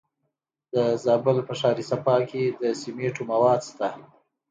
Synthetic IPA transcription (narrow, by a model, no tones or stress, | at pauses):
d̪̥əzɑbəlpəʂɑɾisapɑked̪əsimeʈomawɑːd̪st̪a